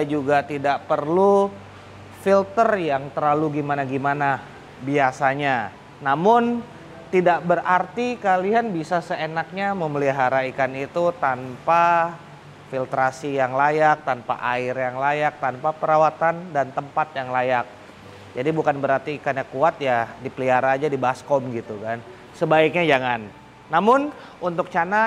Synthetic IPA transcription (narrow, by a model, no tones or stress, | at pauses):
d͡ʒuɡat̪idaʔpərlu | filt̪ərjaŋt̪əɾaluɡimanaɡimana | biasaɲa | namʊn | t̪idaʔbərart̪ikalianbisasəenak̚ɲaməməliɦaɾaikanit̪ut̪anpa | filt̪ɾasijaŋlajak̚t̪anpa̰ʔaɪrjaŋlajak̚t̪anpapəɾawat̪andant̪əmpat̪̚jaŋlajak̚ | d͡ʒadibukanbəɾart̪iːkanɲakuat̪̚jadipəliɦaɾaːd͡ʒadibaɦaskɔmɡit̪ukan | səbaɪk̚ɲad͡ʒaŋanː | amʊn | unt̪ʊk̚t͡ʃana